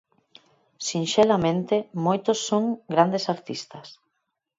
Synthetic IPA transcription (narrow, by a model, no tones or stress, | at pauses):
sinʃelamẽnt̪emojt̪osːoŋɡɾand̪esaɾt̪ist̪ɐs